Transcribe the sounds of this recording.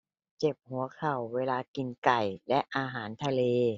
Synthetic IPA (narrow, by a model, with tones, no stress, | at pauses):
t͡ɕe˨˩p̚hu˩˦ɐkʰa˨˩wːeː˧laː˧ki˨˧˩nka˨˩jlɛ˦˥ʔʔaː˧ɦaː˩˦nt̪ʰa˧leː˧